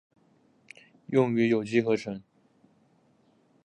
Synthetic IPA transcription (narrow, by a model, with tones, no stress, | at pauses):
jʊ˥˩ŋy˧˥jo˨˩ʊt͡ɕi˥xɤ˧˥ʈ͡ʂʰə˧˥ŋ